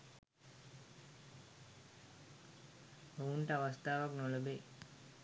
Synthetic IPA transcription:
ouɳʈəaʋast̪ʰaːʋaknoləbeː

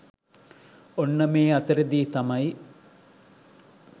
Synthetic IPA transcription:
onːəmeːɐt̪əɾed̪iːt̪ɐmɐj

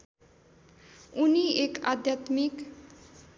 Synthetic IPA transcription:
unieka̰d̪ʱjat̪mik

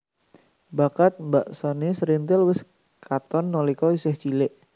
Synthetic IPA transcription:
bakat̪̚mbaʔsanesɾint̪ɪlwɪs | kat̪ɔnːɔlikɔisɪht͡ʃilɪʔ

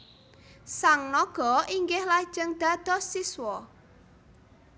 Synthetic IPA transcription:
saŋnɔɡ̥ɔ̤iŋɡɪhlad̥ʒ̥əŋd̪̥a̤d̪̥ɔ̤siswɔ

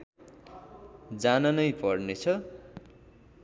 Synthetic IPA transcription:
d͡zanʌnʌjpʌrnet͡sʰʌ

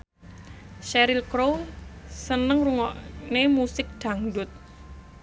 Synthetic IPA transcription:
ʃɛɾilkɾowsənəŋruŋɔʔnemusɪk̚ɖ̪̥ä̤ŋdʊt̪̚

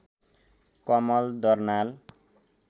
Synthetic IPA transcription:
kɔmɔld̪ɔrnal

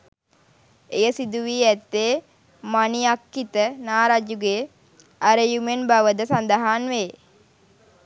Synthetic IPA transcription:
ejəsid̪uʋiːæt̪ːeː | manijakːit̪ənaːɾad͡ʒuɡe | aɾəjumenbaʋəd̪əsand̪aɦaːnʋeː

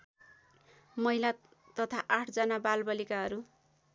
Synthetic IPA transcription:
mʌila | t̪ʌt̪ʰaʔaʈʰd͡zʌnabalbʌlikaɦʌɾu

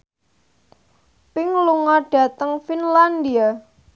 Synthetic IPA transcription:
pɪŋluŋɔɖ̥ä̤t̪əŋfinland̪ia

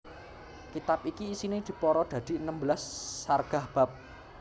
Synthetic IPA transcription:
kit̪ap̚ikiːsinid̪̥i̤pɔɾɔd̪̥ä̤d̪̥i̤ənəmbəlasːarɡ̥a̤hb̥a̤p̚

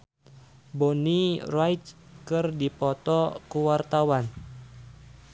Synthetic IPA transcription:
bonirajt̪̚kɨrdipɔt̪ɔkuwart̪awan

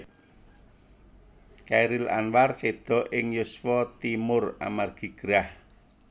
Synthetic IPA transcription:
kaɾɪla̰nwarsed̪̥ɔ̤ʔɪŋjʊswɔt̪imʊra̰marɡ̥i̤ɡ̥ɾah

